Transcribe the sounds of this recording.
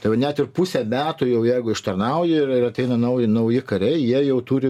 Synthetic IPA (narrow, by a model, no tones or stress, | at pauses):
t̪ɐɪʋɐnʲæt̪ɪrpusʲɛmʲæːt̪ʊjɛʊjæɪɡʊɪʃt̪ɐrnɐʊjɪɪrɪɾɐt̪ʲɛɪnɐnɐʊjɪnɐʊjɪkɐɾʲɛɪjiɛjɛʊt̪uːɾʲɪ